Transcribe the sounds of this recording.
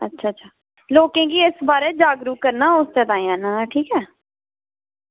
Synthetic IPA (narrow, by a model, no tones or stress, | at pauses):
ətːʃʰaːt͡ʃʰaː | loːkẽːɡiːɪsbaːɾeːd͡ʒaːɡɾuːkəɾnaːʊst̪eːt̪ãːĩãːnãːʈʰiːkɛː